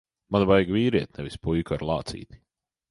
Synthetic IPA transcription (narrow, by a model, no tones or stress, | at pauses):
manbajɡviːɾiɛt̪nɛvispujkaɾlˠɑːt̪sḭːt̪i̥